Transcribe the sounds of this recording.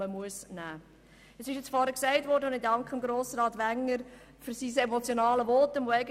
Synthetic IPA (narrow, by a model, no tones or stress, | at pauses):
əmuəsnæː | əsɪʃjɛt͡sfɔɾəksɛɪtʋɔːɾdəʊnɪdɑŋkχəəmɡɾoːsɾɑːtʋæŋːəɾ | fyɾsisemɔt͡sjonɑːləʋɔːtənʋoɛɪɡə